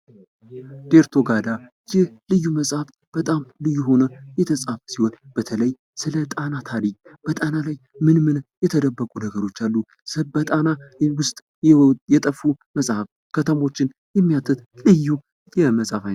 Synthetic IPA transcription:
d̪̥e̞ɾt̪ʰo̞ɡad̪a | jɪhlɨjːuməsʼhaf | b̥ət̪ʼamlɨjːuɦo̞nəjɛt̪ʰəsʼafsihonb̥ət̪ʰələj | sɨlət̪ʼanat̪ʰaɾikʼb̥ət̪ʼanalaj | mɨnmɨnjɛt̪ʰəd̪əbːəkʼunəɡəɾo̞t͡ʃːalːu | sɨbət̪ʼanawʊst̪ʼ | jɛt̪ʼəfːuməsʼhaf | kʰət̪ʰəmo̞t͡ʃːɪn | jɛmːijat̪ʰɨt̪lɨjːu | jɛməsʼafa

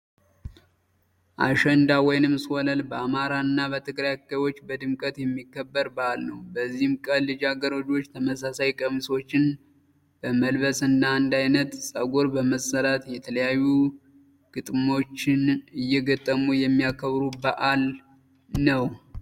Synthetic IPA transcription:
ʔa̰ʃɛnd̪awɔjnɨmswɔləlbəamaɾanːabət̪ʰɨɡɾajkːajwo̞t͡ʃːbəd̪ɨmkʼət̪jɛmːikːəbːəɾbəalnəwbəzːihmkʼəlːɨd͡ʒaɡəɾod͡ʒwo̞t͡ʃːt̪ʰəməsasajkʼəmiso̞t͡ʃːɪn | b̥əməlbəsɨndaɨnd̪ajnət̪sʼəɡo̞ɾbəməsəɾat̪jɛt̪ʰələjajːu | ɡ̥ɨt̪ʼmo̞t͡ʃːɪnɨjːɛɡət̪ʼːəmujɛmːijakʰəβɾubəʔal | nəw

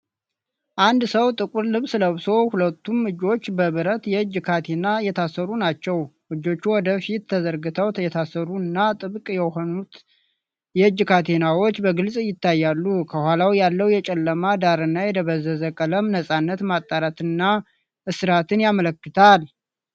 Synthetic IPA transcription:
ʔand̪səwt̪ʼɨkʼuɾlɨβsɨləβso̞hulət̪ʰːumɨd͡ʒo̞t͡ʃːbəβɨɾət̪jɛɨd͡ʒkʰat̪ʰenajɛt̪ʰasːəɾunat͡ʃːɛwʔɨd͡ʒːo̞t͡ʃːuwɔd̪əfit̪ːʰəzəɾɡɨt̪ʰəwʰjɛt̪ʰasəɾuɨnːat̪ʼɨβkʼjɛho̞nut̪ | jɛɨd͡ʒːkʰat̪ʰe̞nawo̞t͡ʃːbəɡɨlsʼjɪt̪ːajːalːukʰəhʷwalawjalːəwjɛt͡ʃʼɛlːəmad̪aɾɨnːajɛd̪əβəzəzəkʼələmnəsʼanːət̪mat̪ʼːaɾat̪ɨnːa | ʔɨsɨɾat̪ʰɨnjamələkːɨt̪ʰal

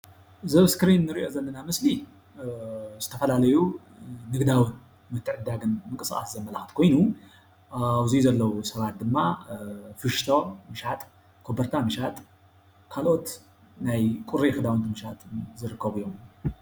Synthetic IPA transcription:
zɐβskɾinːɨɾiʔo̞zɐlːɐnamɨsli | zɨt̪ʰɐfɐlalɐjuː | ɨɡd̪awɨn | mɨt̪ʰːɨʕɨd̪ːaɡɨnmɨŋkʼɨsʔʼa̰szɐmːɐlaxɨt̪kʰo̞jnu | aβzizɐlːɐwusɐβat̪̚d̪ɨmːa | fɨʃt̪ʰomɨʃat̪ʼ | kʰo̞bɐɾt̪ʰamɨʃat̪ʼ | kʰalʔo̞t̪ | najkʼuɾexɨd̪awint̪imɨʃat̪ʼzɨɾɨkʰːɐβujo̞m

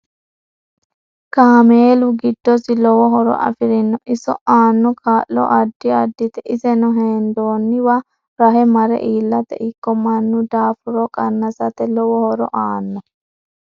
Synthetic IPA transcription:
kaːmeːlʊɡɪd̪ːɔsilɔwɔɦɔɾɔ̰ʔɐ̰fɪɾɪnːɔʔɪsɔaːnːɔkʰaːʔlɔ̰ʔɐd̪ːiɐd̪ːit̪ɛʔɪsɛnɔɦeːnd̪oːnːiwɐ | ɾɐɦɛmɐɾɛ̰ʔiːlːɐt̪ɛ̰ʔɪkːɔmɐnːud̪aːfuɾɔkʼɐnːɐsɐt̪ɛlɔwɔhɔɾɔ̰ʔaːnːɔ

